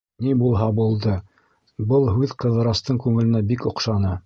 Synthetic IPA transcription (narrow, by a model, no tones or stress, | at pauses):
nibulˠɦɑbulˠd̪ɤ | bɤlˠɦʉðqɤ̆ðɤ̆ɾɑst̪ɤɴkʉŋɘ̆lɘ̆næbikŏqʃɑnɤ